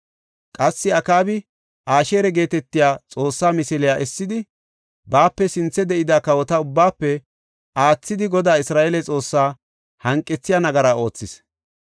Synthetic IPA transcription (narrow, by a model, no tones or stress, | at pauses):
kʼɐsːɪɐkaːbɪ | ʔaːʃe̞ːɾɛɡe̞ːt̪ɛt̪ːɪjaːt͡sʼo̞ːsːaːmɪsɪlɪjaːʔɛsːɪd̪ɪ | baːpːɛsɪnt͡sːɛd̪ɛʔɪd̪akɐwɔt̪ɐʊbːaːpːɛ | ʔaːt͡sːɪd̪ɪɡɔd̪aːɪsɾaːʔɛlɛt͡sʼo̞ːsːaː | hɐŋkʼːɛt͡sːɪjaːnɐɡɐɾaːo̞ːt͡sːɪs